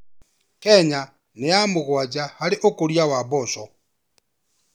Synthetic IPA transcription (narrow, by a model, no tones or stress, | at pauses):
kɛɲa | nejamoɣwad͡ʒahaɾeʔokoɾjawabɔsɔ